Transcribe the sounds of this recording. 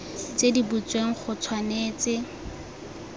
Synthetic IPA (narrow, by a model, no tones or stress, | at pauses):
t͡sedibut͡sweŋ̩χʊt͡sʰwaneːt͡sɪ